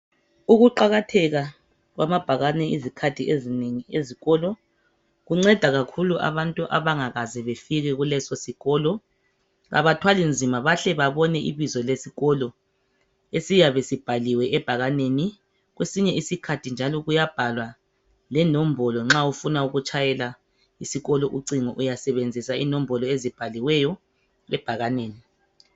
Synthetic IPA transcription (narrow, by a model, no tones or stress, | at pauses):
uɣuǃaɣatʰɛɣa | ɣwamab̥ʱaɣanɛizikʰatʰiezineŋieziɣɔlɔ | ɣuŋ͡ǀɛd̥ʱaɣakʰuluʔa̰βantʼuʔa̰βaŋaɣazɛβefiɣɛɣulɛsɔsiɣɔlɔ | ɣa̰βatʰwalind͡zʱimaβaɬɛβaβɔnɛʔḭβizɔlesiɣɔlɔ | esijaβesib̥ʱaliwɛʔɛb̥ʱaɣaneni | ɣwesiɲɛisikʰatʰind͡ʒʱalɔɣujab̥ʱalwa | lɛnom̩bʱɔlɔŋ͡ǁaufunauɣut͡ʃʰʼajɛla | isiɣɔlɔʔuǀiŋɔʔujasɛβend͡zʱisainom̩bʱɔlɔezib̥ʱaliwɛjɔ | ɛb̥ʱaɣaneːni